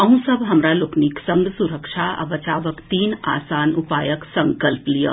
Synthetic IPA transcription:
ɐɦũsɐbɦɐmɾalokniːksɐŋɡsuɾəkʂʰaɐ̰ʋɐt͡ʃaːʋɐkt̪iːna̰ːsaːnupaːjəksɐŋkɐlplijə̰

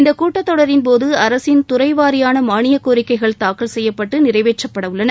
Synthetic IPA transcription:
ɪnd̪ɐkuːʈːɐt̪ːɔɽɐɾɪnpoːðɯɐɾɐsɪnt̪ʊrɐɪʋaːɾɪjaːnɐmaːɳɪjɐkːoːɾɪkːɐɪɣɐɭt̪aːkːɐɭsɛjːɐpːɐʈːɯnɪrɐɪʋeːt͡ʃːɐpːɐɽɐʋɯɭːɐnɐ

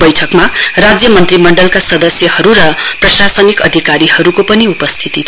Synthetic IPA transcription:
bʌjʈʰʌkmarad͡zjʌmʌnt̪rimʌɳɖʌlkasʌd̪ʌsjʌhʌɾuɾʌprʌsasʌnikʌd̪ʱikaɾihʌɾukopʌniupʌst̪ʰit̪it̪ʰ

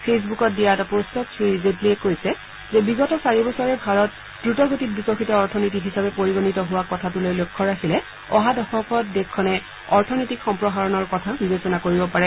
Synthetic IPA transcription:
pʰes̬bukɔt̚dijatapostɔtsʰizepliɛkojsɛ | zɛbiɡɔtɔsaɹibɔsɔɹɛbʱaɹɔt̚ | dɹutɔɡotit̚bisɔxʰitɔːɹtʰɔnijtiɦisabɛpoɹiɡonitɔɦʊwakɔtʰatʊlojlokʰːɔɹakʰilɛ | ɔɦadɔxʰɔkɔt̚dɛkʰːɔnɛ | ɔɹtʰɔnijtikxɔmpɹɔɦaɹɔnɔɹkɔtʰabibesɔnakoɹibɔpaɹɛ

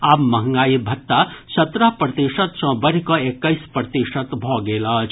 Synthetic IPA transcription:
aːbmɐɦəŋɡaːibʱɐt̪ːasɐt̪ɾəɦpɾət̪iʃət̪sɔ̃bəɾ̤ikɔekːəispɾət̪iʃət̪bʱɔɡeːlʌt͡ʃʰ

